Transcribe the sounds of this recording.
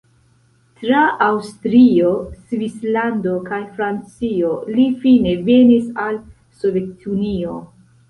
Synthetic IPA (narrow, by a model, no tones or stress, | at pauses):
tɾaawstɾio̞svislando̞kajfɾant͡sio̞lifine̞ve̞nisal | so̞ve̞tʰunio̞